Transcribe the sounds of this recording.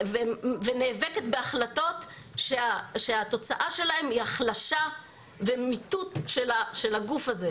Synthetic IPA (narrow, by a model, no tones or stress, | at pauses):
veveneːveket̪be̞aχlato̞t̪ | ʃeaʃeat̪o̞t͡saʔaʃe̞lahe̞miaχlaʃa | vemitut̪ʃelaʃelaɡufaze